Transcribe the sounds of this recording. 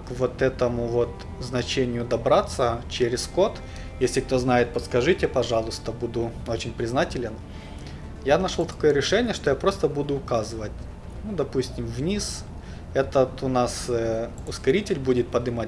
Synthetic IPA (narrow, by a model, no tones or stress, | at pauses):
kvot̪ɛt̪əmʊvo̞t̪ | znɐt͡ɕenʲɪjʊd̪ɐbɾat̪sːət͡ɕeɾʲɪsko̞t̪ | jesʲlʲɪk̚t̪o̞znajɪt̪̚pət̪skɐʐɨtʲɪpɐʐɑlˠʊst̪əbud̪ʊo̞t͡ɕɪnʲpɾʲɪznatʲɪlʲɪn | janaʂolˠt̪ɐ̥ko̞jəɾʲɪʂɛnʲɪjəʂt̪o̞japɾo̞st̪əbud̪ʊːkazɨvətʲ | nud̪ɐpusʲtʲɪmvnʲis | ɛt̪ət̪ʊnas | ʊskɐɾʲitʲɪlʲbudʲɪt̪̚pɐd̪ɨmatʲ